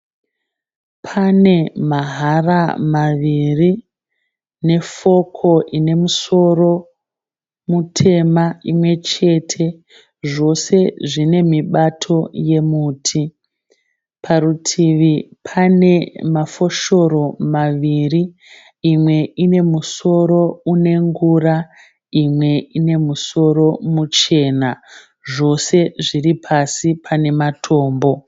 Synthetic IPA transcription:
pʰane̞maɦaramaʋiri | ne̞fo̞kʰo̞ʔine̞muso̞ro̞ | mutʰe̞maimwe̞t͡ʃe̞tʰe̞ | ʐo̞se̞ʐine̞miɓatʰo̞je̞muːtʰi | pʰaɾutʰiʋipʰane̞mafo̞ʃo̞ɾo̞maʋiriː | mwe̞ine̞muso̞ɾo̞une̞ŋɡura | imwe̞ine̞muso̞ɾo̞mut͡ʃe̞ːna | ʐo̞se̞ʐiripʰasipʰane̞matʰo̞ːmbo̞

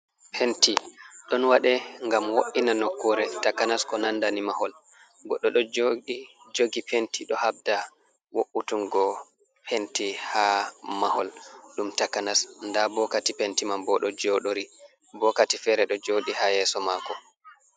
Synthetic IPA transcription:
pʰentiɗɔnwaɗɛŋɡamwoʔinanɔkːɔɾɛtakːanaskɔnandanimahɔl | ɡɔɗːɔɗɔd͡ʒoɗid͡ʒoɡipʰentiɗɔhab̚da | woʔutunɡɔ | pʰentihamahɔlɗumtakanasndabɔkatipentimambɔɗɔd͡ʒoɗoɾi | bɔkatifɛːɾɛɗɔd͡ʒoɗihajɛsɔmakɔ

